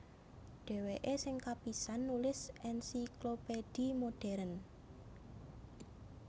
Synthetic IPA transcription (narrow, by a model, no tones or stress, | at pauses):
ɖ̥ɛ̤weʔesɪŋkapisanːulɪsʔɛnsiklopeɖ̥imoɖ̥ɛɾən